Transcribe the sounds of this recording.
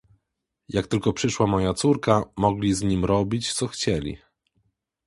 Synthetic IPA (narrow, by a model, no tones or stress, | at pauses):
jak̚t̪ɘlkɔpʂɘʂwamɔjat̪suɾkamɔɡlʲizɲimɾɔbʲit͡ɕt̪sɔxt͡ɕɛlʲḭ